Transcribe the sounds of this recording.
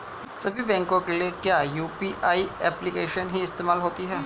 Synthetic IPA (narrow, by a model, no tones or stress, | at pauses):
sɐbʱibɛ̃ːŋkõkeliekjaːjuːpiʔaːiɛːplikeːʃənɦiɪst̪eːmaːlɦoːt̪iɦɛː